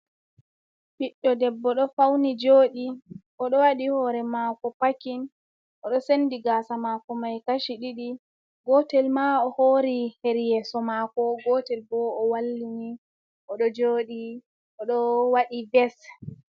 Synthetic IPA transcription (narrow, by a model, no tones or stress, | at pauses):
fiɗːɔdɛbːɔɗɔfawnid͡ʒoːɗiʔɔɗɔwaɗihɔɾɛmakɔpakin | ʔɔɗɔsenːdiɡaːsamakɔmajkaʃiɗiɗi | ɡɔtɛlmaɔhoːɾiheɾjɛːsɔmakɔɡɔtɛlbɔɔwalːini | ʔɔɗɔd͡ʒoːɗi | ʔɔɗɔwaɗibɛs